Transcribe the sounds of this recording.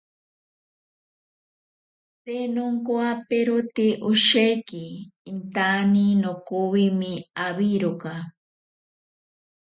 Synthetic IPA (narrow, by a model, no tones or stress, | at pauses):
penoŋkoapeɾut̪iʔʊʃekiːnt̪aninokuwimiaβiɾoka